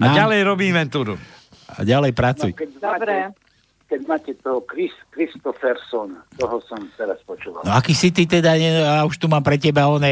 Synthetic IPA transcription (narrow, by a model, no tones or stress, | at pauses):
aɟalɛjɾɔbiːmɛnt̪uːɾu | a̰ɟalɛjpɾat͡sujkɛd̪bɾɛ | kɛɟmaːcɛt̪ɔɦɔkɾiskɾist̪ɔfɛɾsɔnt̪ɔɦɔsɔmt̪ɛɾaspɔt͡ʃuːʋa̰lnɔakiːsit̪it̪ɛd̪aɲɛauʃt̪umaːmpɾɛcɛbaɔnɛ